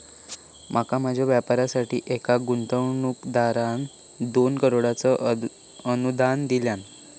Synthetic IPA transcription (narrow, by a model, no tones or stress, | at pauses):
mʔakamad͡ʑʱaʋjapaɾasaʈḭːʔekaɡunt̪əwɳukd̪aɾan | d̪onkəɾoɽat͡sə | ənud̪ʱand̪iljan